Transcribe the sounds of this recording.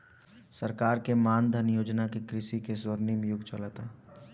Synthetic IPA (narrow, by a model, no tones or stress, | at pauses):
səɾkaːɾkemaːnd̪ʱənjoːd͡ʒnakekɾɪʃikesəɾnimẽjʊɡt͡ʃəlat̪aː